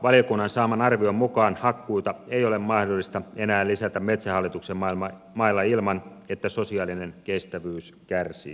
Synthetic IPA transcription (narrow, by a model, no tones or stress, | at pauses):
ʋɑlijokunːɑnsɑːmɑnɑrʋioimːukɑːnhɑkːuit̪ɑeijolemmɑhdolːist̪ɑenæːlːisæt̪æmmet̪sæhɑlːit̪uksemɑlmɑ | mɑilːɑilmɑnet̪ːæsosiɑːlinenkest̪æʋyːskærsḭː